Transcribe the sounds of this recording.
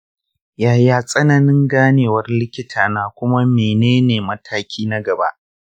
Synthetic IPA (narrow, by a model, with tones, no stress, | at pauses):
jaː˨jaː˦˨sʼɐ˦nɐ˨nɪ˦ŋɡaː˦neː˨wɐ˦rlɪ˦kʲɪ˦tʰaː˨naː˦kʷʊ˦ma˦meː˨neː˦neː˨mɐ˦tʰaː˦kʲʰiː˦na˦ɡɐ˨ba̰˦ʔ